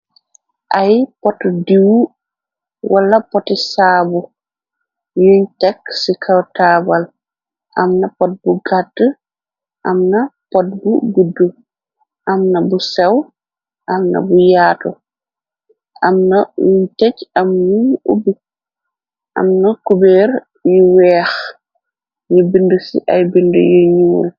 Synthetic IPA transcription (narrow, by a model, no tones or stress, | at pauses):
ʔajpɔtɔdiwu | walːapɔtisaːbu | juɲtɛksikʰawtaːbal | ʔamnapɔt̚buɡatːə | ʔamnapɔt̚buɡudːu | ʔɐmnɐbusɛw | ʔɐmnɐ̰bujaːtɔ̰ | ʔɐmnɐjuɲtɛcɐmnuɲṵbi | ʔɐ̰mnɐkubɛːɾ | juwɛːx | ɲubindusḭʔɐjbindṵjuɲuːl